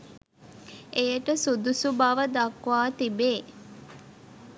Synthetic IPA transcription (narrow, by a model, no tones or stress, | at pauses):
ejəʈəsud̪usubaʋəd̪akʋaːt̪ibeː